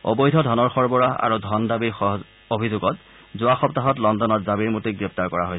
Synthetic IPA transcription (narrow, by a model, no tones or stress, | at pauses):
ɔ̰bɔjdʱɔdʱɔnɔɹxɔɹbɔɹaa̰ɹudʱɔndabiɹxɔ | obʱizʊɡɔt | zʊaxɔptaɦɔtlɔndɔnɔtzabiɹmutiɡɹɛp̚taɹkɔɹaɦojs